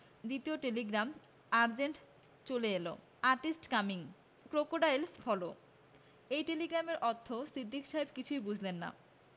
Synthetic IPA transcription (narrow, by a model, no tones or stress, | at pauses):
d̪it̪ioʈeliɡɾam | aɾd͡ʑeɳʈ | t͡ɕoleelo̰ | aɾʈisʈkamiŋ | kɾokoɖajlsfʰɔlo | ejʈeliɡɾameɾʔɔt̪ʰːosid̪ʱːikʃaɦebkit͡ɕʰujbud͡ʑʱlenːa̰